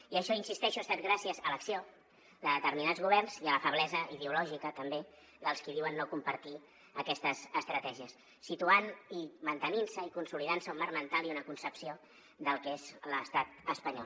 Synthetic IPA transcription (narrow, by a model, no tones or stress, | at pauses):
iəʃɔinsist̪ɛʃust̪at̪̚ɡɾasiəzələksio | ðəðət̪əɾminadzɣuβ̞ɛrnziələfəβ̞lɛzəiðeulɔʒikət̪əmbe | ðəlˠskiðiwənːokumpəɾt̪i | əkɛst̪əzəst̪ɾət̪ɛʒiəsː | it̪uanimənt̪əninsəikunsuliðansəumːaɾmənt̪alˠiunəkunsəpsio | d̪əlˠkezləst̪at̪əspəɲɔ̰l